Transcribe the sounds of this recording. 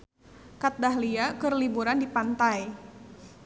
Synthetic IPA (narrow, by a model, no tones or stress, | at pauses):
kat̪̚daɦliakərlibuɾandipant̪aj